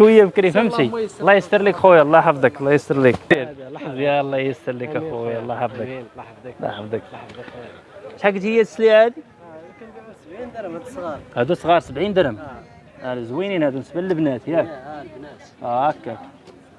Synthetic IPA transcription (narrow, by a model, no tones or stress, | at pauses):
ʃwəjːæbkɾifəmsilːɑjəst̪əɾˤlikxujlˤːɑħɑfd̪ˤəklˤːɑjəst̪əɾlikiɾzjælˤːɑjəst̪əɾˤlikxujlˤːɑħɑfd̪ˤək | lːɑ̰ħɑfd̪ˤək | t̪ħaɡət̪həjːæt̪ə̥sliʕæd̪i | hæd̪usˤɣɑɾˤsəbʕind̪əɾəm | ʕlæzwininhæd̪unəsbəlːəbnæt̪jæ | ækːæk